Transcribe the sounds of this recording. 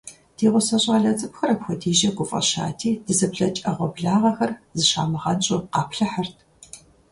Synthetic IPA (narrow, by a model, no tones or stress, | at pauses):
d̥iːʁʷʊsɐɕʼaːɮɐt͡sʼɨpxɐɾɐpxʷɔdiːʒɐɡʷʊfʼɐ̰ʃa̰ːtʰiːd̥ɨzɐpɬɐt͡ʃʼɐʁʷɔbɮaːʁɐxɐrzɨʃa̰ːmɨʁɐnɕʼʊqɑːpʰɬɐħɐrtʰ